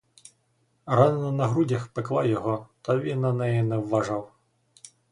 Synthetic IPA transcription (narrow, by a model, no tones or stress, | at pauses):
rɑnenɔnɐɦɾudʲɐxpeklˠɑjɔɦɔt̪ɐʋʲinːɐnɛjɛnɛwːɐʒɑw